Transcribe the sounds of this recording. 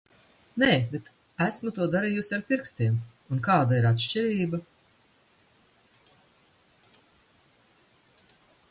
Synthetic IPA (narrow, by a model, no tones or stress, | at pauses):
nɛːbet̪ | æsmut̪uɔd̪aɾiːjusʲaɾpʲiɾkst̪iɛm | unkaːd̪aiɾat̪ʃt͡ʃiɾiːba